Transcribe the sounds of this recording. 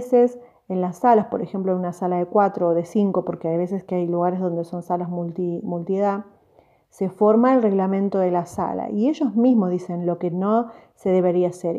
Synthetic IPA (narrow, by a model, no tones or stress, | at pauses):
ses | enlasːalaspo̞ɾexe̞mplonunasalaðe̞kwat̪ɾo̞ːðe̞siŋko̞po̞ɾkeajβe̞se̞skeajluɣaɾe̞zðo̞nd̪e̞so̞nsalazmult̪imult̪ieða | se̞fo̞ɾmaelre̞ɣlamẽ̞nt̪o̞ðe̞lasa̰la̰ʔie̞ʒo̞zmizmoðise̞nlo̞ke̞no̞se̞ðe̞β̞e̞ɾiaseɾ